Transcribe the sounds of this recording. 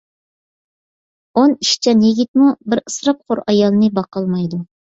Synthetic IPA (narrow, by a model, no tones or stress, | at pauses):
oniʃt͡ʃʰɛnjiɡʲit̪̚mubɪɾɨsɾɑp̚qʰoɾɑjɑlˠɨnɨbɑqɑlˠmɑjd̪u